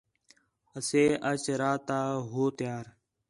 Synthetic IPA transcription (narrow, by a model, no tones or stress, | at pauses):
əseːʔət͡ʃɾaːt̪aːɦoːt̪jaːɾ